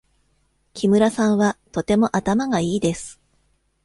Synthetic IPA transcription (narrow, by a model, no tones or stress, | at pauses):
kʲimɯ̟ɾasãɰ̃βat̪o̞t̪e̞mo̞ʔat̪amaɡaiːd̪e̞sɨ̥